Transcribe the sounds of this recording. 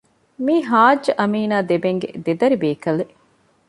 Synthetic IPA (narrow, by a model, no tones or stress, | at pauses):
miːɦaːd͡ʒːɐʔɐmiːnaːd̪ebeŋɡḛd̪ed̪ɐɾibeːkɐle